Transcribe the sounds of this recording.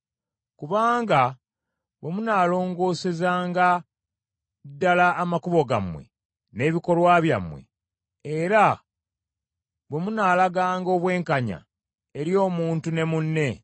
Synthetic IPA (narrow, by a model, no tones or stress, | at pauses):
kuβaːŋɡa | βwe̞munaːlo̞ːŋɡo̞ːse̞zaːŋɡa | dːalaːmakuβo̞ɡa̰mwe̞̰ | ne̞ːβiko̞lwaːβja̰mwe̞̰ | eɾa | βwe̞munaːlaɡaːŋɡo̞ːβwe̞ːŋkaɲa̰ | e̞ɾjo̞ːmuːntune̞munːe̞